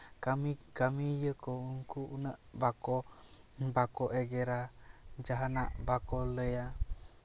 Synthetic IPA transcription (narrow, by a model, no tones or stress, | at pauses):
kamikamijəkouŋkuunəʔbako | bakoʔeɡeɾad͡ʒaɦanaʔbakoləja